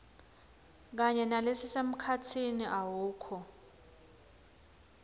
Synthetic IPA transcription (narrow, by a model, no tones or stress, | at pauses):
k̬aɲɛnalesisem̩kʰatʰiniʔawuːkʰɔ